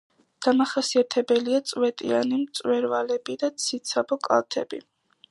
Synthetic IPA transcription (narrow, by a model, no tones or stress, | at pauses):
d̪̥amaχasiat̪ʰɛbɛliat̪sʼwɛt̪ʼḭanimt̪sʼwɛɾvalɛbid̪at̪sʰit̪sʰabɔkʼa̰lˠt̪ʰɛ̰bḭ